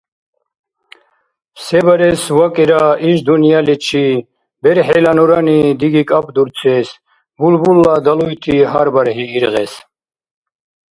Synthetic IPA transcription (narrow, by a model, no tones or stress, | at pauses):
sɛbaɾɛsvakʼiɾaiʃd̪unijalit͡ʃʰi | bɛɾħɛlanɔɾanid̪iɡikʼapʼd̪uɾt͡sʰɛs | bulbulːad̪alujt̪ʰiɦaɾbaɾhiːɾʁɛ̰s